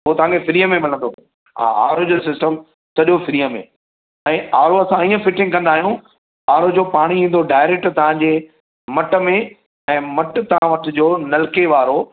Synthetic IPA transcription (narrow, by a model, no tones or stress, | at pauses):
ɦʊɦot̪ɐɦãŋkʰefɪɾiːəmẽmɪlə̃nd̪o | a̰a̰ːɾod͡ʑos̬ɪsʈəm | sɐʄofɪɾiːəmḛ̃ | ɛ̃ːaːɾoɐsãiːə̃fɪʈɪ̃ŋɡkɐ̃nd̪aːɦijũ | aːɾod͡ʑoːpaːɽ̃iĩːn̆d̪oɖaːɪɾek̚ʈt̪ɐʋ̤ãɲd͡ʑeː | mɐʈə̆mẽ | ɛ̃ːmɐʈ̆t̪ɐʋ̤ãʋɐʈɪd͡ʑoːnɐlkeʋaːɾo